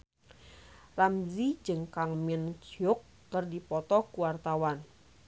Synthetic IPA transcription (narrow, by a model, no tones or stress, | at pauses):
ramzid͡ʒɨŋkaŋmɪnɡʊkːərdipɔt̪ɔkuwart̪awan